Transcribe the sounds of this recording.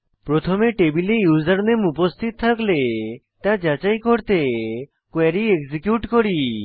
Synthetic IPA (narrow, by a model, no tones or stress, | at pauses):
pɾɔt̪ʰɔmeʈebilijuzaɾnemupɔst̪ʰit̪ɔt̪ʰakle | t̪ãd͡ʒat͡ʃajkoɾt̪e | kweɾieɡzikjuʈkɔɾi